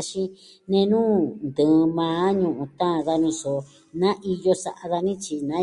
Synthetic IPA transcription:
ʃĩ˧ | nẽ˧nũː˦nd̪ɨ̃˨˧mãː˨˦ɲũ˧ʔũ˧˨t̪ã˦˧˨ða˧nĩ˧so˨ | nã˦ʔi˧jo˧sa̰˧ʔa˧ða˧nĩ˦t͡ʃi˧nã˨˦

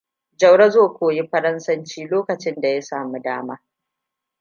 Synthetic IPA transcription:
d͡ʒɐ˨wɽɐ˦zoː˦˨kʷoː˨ji˦ɸɐ˦ɾɐ˦nsɐ˦nt͡ʃiː˦loː˦kɐ˨t͡ʃɪ˦nda˨ja˦saː˨mu˦daː˦maː˦

